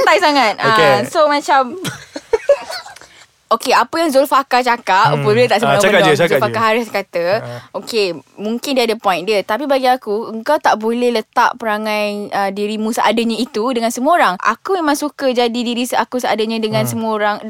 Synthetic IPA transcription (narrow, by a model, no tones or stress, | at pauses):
t̪ajsaŋat̪̚aesomãt͡ʃam | okeapəjaŋzolfakat͡ʃakaʔ̚əpəbilət̪aʔsəənəzfakaɦaɾɪskat̪əʔokemũŋkɪndiəadəpɔjndiət̪ap̬ibaɡiakuəŋkawt̪aʔbolɛhlət̪a̰ʔpəɾaŋãjədiɾimũsəʔa̰dəɲãit̪udəŋansəmoɾaŋʔa̰kumemãŋsukəd͡ʒadidiɾisakusəa̰daɲãdəŋãnsəmoɾaŋ